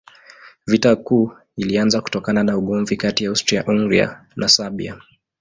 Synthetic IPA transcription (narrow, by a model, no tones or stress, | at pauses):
vitakuː | ilianzaku̥tɔkananauɠɔɱvikatijaawstɾiaʔuŋɡɾḭa̰nʔasaɓḭa̰